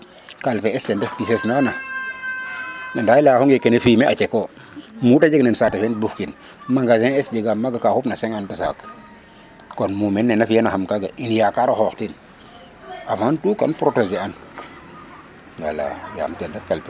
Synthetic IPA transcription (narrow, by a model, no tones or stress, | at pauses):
kalpeɛstendefpisesnana | nandajlahuŋekenefimeat͡ʃeko | mutad͡ʒeɡnensatefenbufkin | maŋɡazeɛsd͡ʒeɡamːaɡakahupnaseŋantusa̰k | konmumenːenafjanahamkaɡa̰ʔinjakaɾohoktin | amantuːkanpɾotozian | wala̰ja̰mtendefkalpe